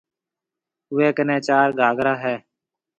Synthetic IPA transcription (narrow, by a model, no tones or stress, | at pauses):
ʊʋeːkənẽːt͡ʃaːɾɡʱaːɡɾaːɦɛː